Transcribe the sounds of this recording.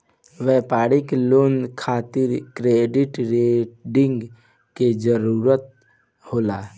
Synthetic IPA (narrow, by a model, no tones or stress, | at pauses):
ʋɛpaːɽikloːnkʰaːt̪ɪɾkɾeːɖɪʈɾeɖɪ̃ŋɡ | ked͡ʒəɾuːɾət̪̚ | hoːlaː